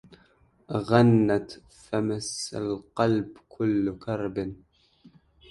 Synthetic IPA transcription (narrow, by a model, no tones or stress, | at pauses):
ɣanːat̪ | famasa̰lqɑlbkʰʊlːkɑɾˤbn